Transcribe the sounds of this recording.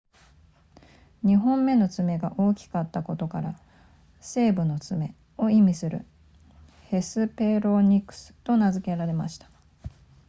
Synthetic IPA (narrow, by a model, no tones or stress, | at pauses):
ɲ̟iɦõ̞mːe̞no̞t͡sɨme̞ɡaʔo̞ːkʲi̥kat̪ːako̞t̪o̞kaɾa | se̞ːbɯ̟no̞t͡sɨme̞ | o̞imʲisɨɾɯ̟̰ | he̞sɨpe̞ɾo̞ɲ̟ikːɯ̟̥sɨ̥t̪o̞nazɨke̞ɾaɾe̞ma̰ɕi̥t̪ḁ